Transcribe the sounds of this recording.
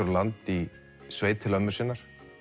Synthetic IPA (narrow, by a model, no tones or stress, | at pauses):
ʏɾlant̪i | sveːjt̪ʰɪlœmːʏsɪːnːaɾ̥